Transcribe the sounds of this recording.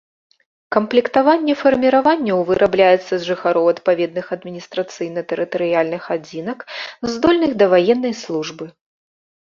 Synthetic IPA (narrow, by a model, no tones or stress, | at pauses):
kɐmplʲikt̪avanʲːɛfɐrmʲiɾavanʲːɐwvɨɾʔablʲajɛt̪sːɐzʐɨxaɾɔwɐt̪pavʲɛd̪nɨxɐd̪mʲinʲist̪ɾɐt̪sɨjnɐt̪ɛɾɨt̪ɐɾɨjalʲnɨxad͡zʲinɐkzd̪ɔlʲnɨxd̪ɐvajɛnːɐjslˠuʐbɨ